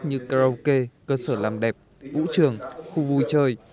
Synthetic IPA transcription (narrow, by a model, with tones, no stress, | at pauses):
ɲɨ˧kaː˧ə˧wke˧kəː˧səː˧˩laː˨˩mɗɛ˨˩p̚ | vṵ˧˥t͡ɕɨ˧˨˩əŋxu˧vu˧jt͡ɕəː˧j